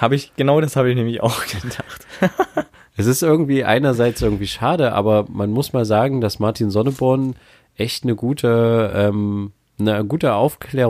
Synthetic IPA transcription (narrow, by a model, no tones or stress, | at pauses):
haːbəɪçɡ̥ənaʊdashaːbəɪçnɛːmɪça̰ʊxɡ̥ədaχt | ʔɛsɪstʔɪɐɡŋ̩tv̥iːʔa̰ɪnɐzaɪt͡sʔɪɐɡŋ̩tv̥iːʃaːdəʔa̰ːbɐmanmʊsmaːlzaːɡŋ̩dasmaɐtʰiːnzɔnəbʊɐn | ʔɛçtnəɡuːtʰəʔɛːm | nəɡuːtəʔaʊfkʰl̥ɛː